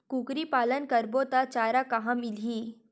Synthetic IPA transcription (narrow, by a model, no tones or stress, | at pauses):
kuːkɾipaːlənkəɾbot̪at͡ʃaːɾakaɦãmɪliː